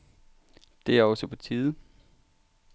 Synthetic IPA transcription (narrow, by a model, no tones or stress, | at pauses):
d̥e̝æɐɒ̽səpʰɒt͡sʰiːð̩ˠ